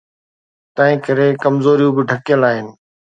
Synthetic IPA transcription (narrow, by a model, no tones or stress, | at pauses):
t̪ɐ̃ɦɪ̃kɐɾekɐmzoːɾijũbɪʈʰɐkjəlaːɦɪnɪ̆